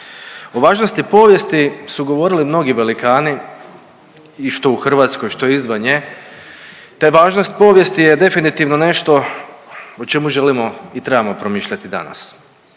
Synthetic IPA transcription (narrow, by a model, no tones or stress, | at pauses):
o̞ʋaːʒnost̪ipo̞ːʋje̞st̪isuɡo̞ʋo̞ɾilimno̞ɡiʋelikaːni | iʃt̪o̞uxr̩ʋaːt̪sko̞jʃt̪o̞jeizʋanje | t̪eʋaːʒnost̪̚po̞ʋje̞st̪ijed̪e̞finit̪iʋno̞ne̞ʃt̪o̞ | ot͡ʃe̞muʒe̞limo̞it̪ɾe̞bamo̞pɾo̞miːʃʎat̪id̪a̰na̰s